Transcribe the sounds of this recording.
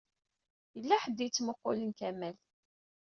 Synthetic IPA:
jəlːæħəd̪ːit͡sːmoqːolənkæmæl

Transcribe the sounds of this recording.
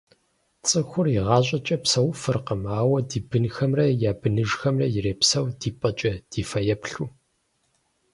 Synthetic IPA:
t͡sʼɨxʷʊriʁɑːɕʼɐt͡ʃʼɐpsɐwʊfɨrqəmaːwɐdiːbɨnxɐmrɐjaːbɨnɨʒxɐmrɐjɪreːpsɐwdiːpʼɐt͡ʃʼɐd̥iːfɐjɛpɬuː

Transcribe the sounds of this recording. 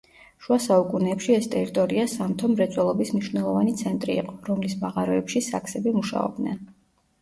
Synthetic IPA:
ʃuasaukʼunɛːpʃiɛst̪ʼɛɾit̪ʼɔɾiasamt̪ʰɔmɾɛt̪sʼwɛlˠɔbismniʃwnɛlˠɔvanit̪sʰɛnt̪ʼɾḭːqʼɔɾɔmlismaʁaɾɔɛpʃisa̰kʰsɛbimuʃa̰ɔ̰b̚d̪nɛ̰n

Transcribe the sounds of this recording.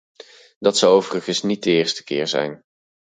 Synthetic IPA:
dɑtsɑwowvərəχənsnit̚dəɪːɹstə̥kɪːɹzɛ̰jn

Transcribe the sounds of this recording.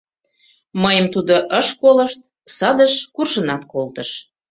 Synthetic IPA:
məjəmt̪ud̪oʔəʃkoləʃt̪̚ | sɑd̪əʃkurʒənɑt̪̚kolt̪əʃ

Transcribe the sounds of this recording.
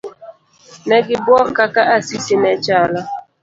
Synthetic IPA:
nɛɡibwɔkakaʔasisinɛt͡ʃalɔ

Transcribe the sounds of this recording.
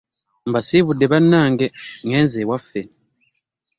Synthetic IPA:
mbasiːβudːe̞βanːaːŋɡeŋɡeːnzewafːe

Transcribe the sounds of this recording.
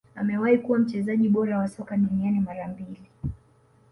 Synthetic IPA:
a̰mɛwaikuwam̩t͡ʃɛzaʄiɓɔɾawasɔkaɗunianimaɾambili

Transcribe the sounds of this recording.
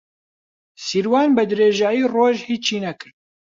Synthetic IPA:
siɾwɑːnbɨd̪ɨɾeːʒaːjiːroːʒhiːt͡ʃʰiːnɛkʰɨɾ

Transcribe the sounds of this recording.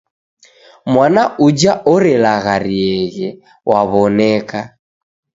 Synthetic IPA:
mwanaʔud͡ʒaʔɔɾɛlaɣaɾiɛɣɛ | wʔaβɔnɛka

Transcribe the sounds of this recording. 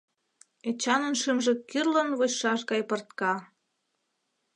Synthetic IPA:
et͡ɕɑnə̆nʃimʒĕkirlənβot͡ɕʃɑʃɣɑjpɤ̆rt̪kɑ

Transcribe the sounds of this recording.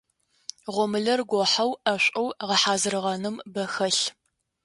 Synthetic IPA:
ʁʷɔmɨɮɐrɡʷɔħawɐɕʷʼɐwʁɐħaːzɨrɨʁɐnɨmbɐxɐɬ

